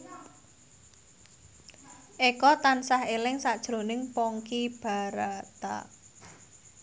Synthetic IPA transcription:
ʔekɔt̪ansahelɪŋsad̥ʒ̥ɾo̤nɪŋpɔŋkib̥a̤ɾat̪a̰

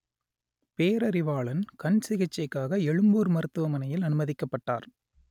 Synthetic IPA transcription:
peːɾɐɾɪʋaːɭɐnkɐnsɪɣɐt͡ʃːɐɪkːaːɣɐɛɻɯmbuːɾmɐɾɯt̪ːɯʋɐmɐnɐjɪlɐnɯmɐðɪkːɐpːɐʈːa̰ːɾ

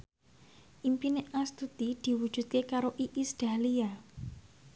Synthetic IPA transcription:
ʔimpineast̪ut̪id̪̥i̤wud̥ʒ̥ṳd̪̚kekaɾoʔiʔisd̪̥alia

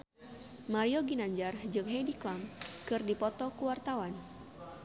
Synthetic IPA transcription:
maɾioɡinaɲd͡ʒard͡ʒɨŋɦediklamkɨrdipɔt̪ɔkuwart̪awan

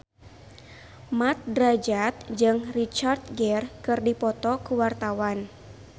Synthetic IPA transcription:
mat̪̚dɾad͡ʒat̪̚d͡ʒɨŋrit͡ʃart̪̚ɡɛrkɨrdipɔt̪ɔkuwart̪awan

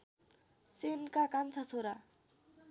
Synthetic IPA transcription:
senkakant͡sʰasʰoɾa

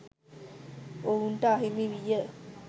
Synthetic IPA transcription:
ouɳʈəːɦimiʋijə

